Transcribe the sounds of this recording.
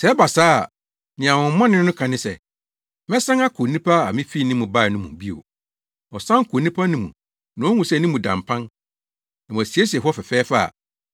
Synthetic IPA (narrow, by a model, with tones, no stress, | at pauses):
sɛ˨˦ba˨saː˦˨ | nɪ̃˨ã˨wʊ̃˨m˦mã˦nɪ̃˦nʊ̃˦kʰã˨nɪ̃˦sɛ̰˨ | mɛ̃˦sã˦ŋa˦kʰo˨nĩ˦pʰa˦a̰˨mɪ̃˦fi˦˨nĩ˦mʊ̃˨ba˦˨nʊ̃˦mũ˨bi˦o̰˨ | ɔ˨sã˦ŋ˦kʰo˨nĩ˦pʰa˦nʊ̃˦mṵ̃˨ | nʊ̃˨˦ɔ˦ŋũ˨sɛ˦˨nĩ˦mũ˨dã̰˨mpʰã˦n | nã˨m̃˨æ˨si˨e˦si˨ɛ˨ɦʊ˦ɔ˦fɛ˨fɛː˦fa˦a̰˨